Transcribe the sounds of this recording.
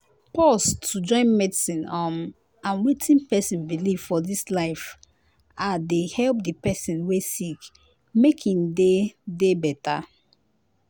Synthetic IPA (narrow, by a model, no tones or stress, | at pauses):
pɔstud͡ʒɔ̃ɪ̃nmɛdisĩnɔm | ãnwitʰĩnpɛsĩnbiliv̥fɔdislaɪf | adehɛlp̚dipɛsĩnwesik | mekʰĩndedebɛta